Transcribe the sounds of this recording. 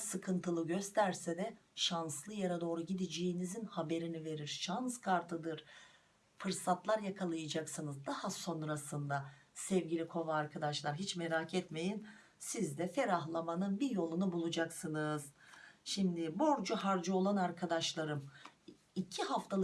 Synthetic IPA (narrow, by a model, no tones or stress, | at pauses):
sɯkʰɯnt̪ʰɯlˠɯɟø̞st̪ʰæɾsɛd̪ɛʃanslˠɯjaɾad̪o̞ːɾuɟid̪id͡ʒejinizinhabe̞ɾinive̞ɾiɾ̥ʃanskʰaɾt̪ʰɯd̪ɯɾ̥ | fɯɾsat̪ʰlˠaɾjakʰalˠɯjad͡ʒaksɯnɯzd̪ahaso̞nɾasɯnd̪asɛvɟilʲikʰo̞vaːɾkʰad̪aʃlˠaɾɦit͡ʃmeɾaːcʰɛt̪me̞jin | sizd̪ɛfeɾaɦlˠamanɯnbiɾjo̞lˠunubulˠud͡ʒaksɯnɯzʃimd̪ɪbo̞ɾd͡ʒuɦaɾd͡ʒɯo̞lˠanaɾkʰad̪aʃlˠaɾɯm | icʰiɦaft̪ʰalˠ